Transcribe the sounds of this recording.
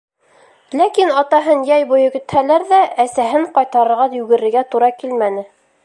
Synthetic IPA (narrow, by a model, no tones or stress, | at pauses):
lækinɑt̪ɑɦɤnjæjbujɤkɵ̆t̪hælæɾðæʔæsæɦɘɴqɑjt̪ɑɾɤ̆ɾʁɑjʉɡɘ̆ɾɘ̆ɾɡæt̪uɾɑkilmænɘ